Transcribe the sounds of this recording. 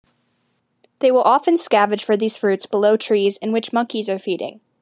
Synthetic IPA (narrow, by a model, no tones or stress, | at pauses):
ðeɪwəlˠʔɑfɨ̃nskævɨ̥ʒ̥fə˞ðiz̥fɹʉtsb̥əloʊtʰɹ̥izɨ̃nwɨt͡ʃmʌ̃ŋkizə˞fiɾɪ̰̃ŋ